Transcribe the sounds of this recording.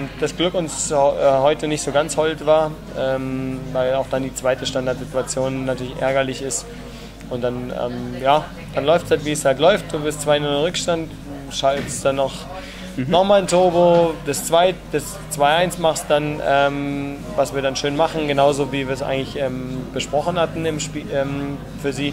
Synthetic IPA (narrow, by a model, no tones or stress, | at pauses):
ʊnt̚d̥asɡ̥lʏkʊnshʔɛhɔʏtənɪçtz̥oːɡant͡shɔltv̥aːɐ | ʔɛːmvaɪlaʊxd̥andiːt͡sv̥aɪtəʃtandaɐtz̥ɪtuat͡sjoːnnatʰyɐɪçʔɛ̰ɐɡɐlɪçɪst | ʔʊnt̚d̥anʔɛ̰ːmjaː | d̥anlɔʏftshaltv̥iːshaltlɔʏft̚d̥uːbɪɐstt͡sv̥aɪnʊlʁʏkʃtantː | ʃalsd̥anːɔχ | nɔχmaːlntʰoːbod̥ɛst͡sv̥aɪd̥ɛs | t͡sv̥aɪʔaɪnsmaχstd̥anʔɛːm | vasv̥iːɐdanʃøːnmaχn̩ɡənaʊzoːviːviːɐs̬ʔa̰ɪɡŋtlɪçʔɛːmb̥əʃpʁ̥ɔχn̩hatn̩ɪmʃpiːɛːm | fyːɐziː